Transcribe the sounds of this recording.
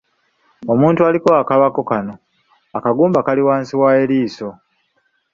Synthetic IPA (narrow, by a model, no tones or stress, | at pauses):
o̞muːntualiko̞akaβako̞kano̞ | akaɡuːmbakaliwaːnsiwae̞liːso̞